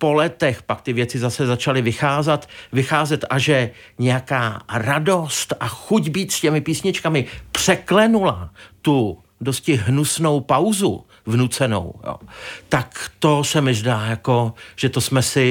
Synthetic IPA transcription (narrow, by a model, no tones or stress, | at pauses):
po̞lɛt̪ɛxpak̚t̪ɪvjɛt͡sɪzasɛzat͡ʃalɪvɪxaːzɛt̪vɪxaːzɛt̪ʔaʒɛ | ɲɛjakaːɾado̞st̪ʔaxuɟbiːt̪scɛmɪpiːsɲɪt͡ʃkamɪpr̝̥ɛklɛnulat̪u | doscɪɦnusno̞wpawzṵ | vnut͡sɛno̞̰wjo̰ːt̪akt̪o̞sɛmɪʒdaːjako̞ʒ̥ɛt̪o̞smɛsɪ